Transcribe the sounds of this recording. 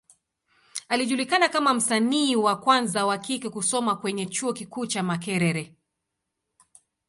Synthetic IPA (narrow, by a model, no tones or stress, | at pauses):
aliʄulikanakamam̩saniːwakwanzawakikɛkusɔmakwɛɲɛt͡ʃuɔkikuːt͡ʃamakɛɾɛɾɛ